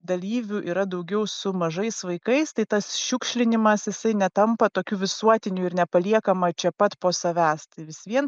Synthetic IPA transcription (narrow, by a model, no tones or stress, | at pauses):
d̪ɐlʲiːʋʲuːʔiːɾɐd̪ɐʊɡʲɛʊsʊmɐʒɐɪsʋɐɪkɐɪst̪ɐɪt̪ɐsʃʲuːkʃʲlʲɪnʲɪmɐsjɪsɐɪnʲɛt̪ɐmpɐt̪oːkʲuːʋʲɪsuɔt̪ʲɪnʲuːɪɾnʲɛpɐlʲiɛkɐmɐt͡ʃʲɛpɐt̪poːsɐʋʲæːst̪ɐɪʋʲɪsʋʲiɛn